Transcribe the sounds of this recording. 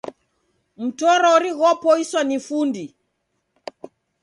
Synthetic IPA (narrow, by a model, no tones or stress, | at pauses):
m̩tɔɾɔɾiɣɔpɔiswanifundi